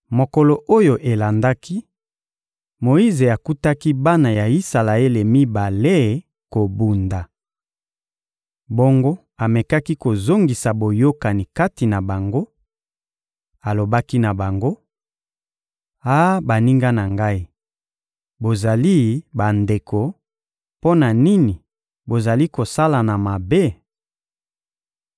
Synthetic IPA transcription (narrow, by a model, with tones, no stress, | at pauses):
mo˨ko˨lo˨ʔo˦jo˨ʔe˨la˨nda˦ki˦ | mo˨i˦ze˨a˨ku˦ta˦ki˦ba˦na˨ja˨i˦sa˨la˨e˦le˨mi˦ba˨le˦ | ko˨bu˨nda˨ | bo˦ŋɡo˦ | a˨me˨ka˦ki˦ko˨zo˦ŋɡi˨sa˨bo˨jo˦ka˨ni˨ka˦ti˨na˨ba˨ŋɡo˦ | a˨lo˨ba˦ki˦na˨ba˨ŋɡo˦ | a˦ba˨ni˦ŋɡa˦na˨ŋɡa˦i˦ | bo˨za˨li˦ba˨nde˨ko˨ | po˦na˨ni˦ni˨ | bo˨za˨li˦ko˨sa˦la˨na˨ma˨be˦